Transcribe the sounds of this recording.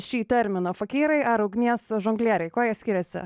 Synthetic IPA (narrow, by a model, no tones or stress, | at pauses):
ʃʲiːt̪ʲɛɾʲmʲɪnoːfɐkʲiːɾɐɪʔɐɾɐʊɡnʲiɛsʒoŋɡlʲiɛɾʲɛɪkoːjiɛsʲkʲɪɾʲɛsʲɪ̰